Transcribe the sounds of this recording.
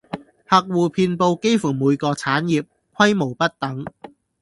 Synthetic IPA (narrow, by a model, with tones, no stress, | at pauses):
hɐ˨k̚wuː˨pʰiː˧npo˧wke˥jfu˨˩muː˨˧jkɔː˧t͡sʰaː˨˥njiː˨p̚ | kʰwɐ˥jmo˨˩wpɐ˥t̚t̪ɐ˨˥ŋ